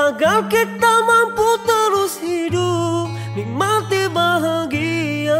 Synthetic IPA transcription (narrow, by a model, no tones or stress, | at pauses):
aɡalkit̪amamput̪əɾushidu | mimat̪ibaɦaɡia